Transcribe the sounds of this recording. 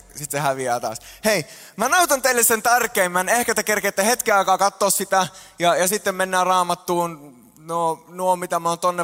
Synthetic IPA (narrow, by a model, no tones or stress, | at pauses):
sit̪sehæʋiæːt̪ɑ̰ːshei | mænɑut̪ɑnt̪eilːessent̪ærkeːmːænehkæt̪ekerkeːt̪ːæhet̪kiɑikɑːkɑt̪ːoːssit̪æjɑjɑsit̪ːemmenːæːrɑːmɑt̪ːuːn | nonuomit̪æmæoːnt̪onːe